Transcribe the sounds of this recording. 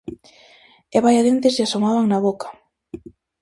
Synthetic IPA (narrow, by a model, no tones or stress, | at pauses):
eβajaðent̪esasomaβaŋnaβokḁ